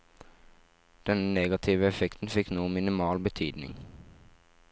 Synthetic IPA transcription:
d̪̥ɛnneːɡɑt̪ʰiːʋəɛfɛkt̪n̩fɪknuːəmɪnɪmɑːlbət̪ʰyːd̪nɪ̰ŋ

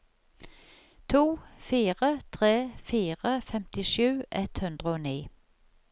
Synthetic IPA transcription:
t̪ʰuːfiːʁət̪ʰʁeːfiːʁəfɛmt̪ɪʃʉːʔɛt̪hʉnd̪ʁəoːniː

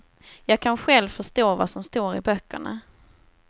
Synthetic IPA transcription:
jɑːɡ̚kʰanɧɛlvfœʂʈ̪oːvasɔmst̪oːɾɪbœkːə̰ɳa̰

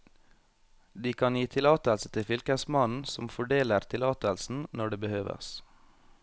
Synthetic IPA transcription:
d̪iːkʰɑnjiːt̪ʰɪlɑːt̪əlsət̪ʰɪfʏlkəsmɑnn̩sɔmfɔɖeːləɾt̪ʰɪlɑːt̪əlsn̩nɔɖeːbəhøːʋə̰s

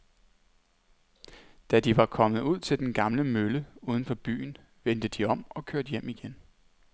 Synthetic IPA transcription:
d̥æd̥iʋɑ̈kʰɒ̽mð̞̩ˠuð̞̰ˠt͡sʰe̝ld̥enɡ̥ɑ̈mləmøləuðˠən̩fɒ̽b̥y̰ːn̩ | ʋend̥əd̥iɒ̽m̰ɒ̽kʰøɐd̥jem̰iɡ̥en

